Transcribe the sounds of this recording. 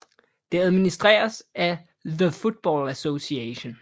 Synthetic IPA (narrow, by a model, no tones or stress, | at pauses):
d̥e̝æð̞ˠminisd̥ʁɛ̰ːɐsæ | ðəfud̥̚b̥ɒ̰ːlæso̝sieɕo̝n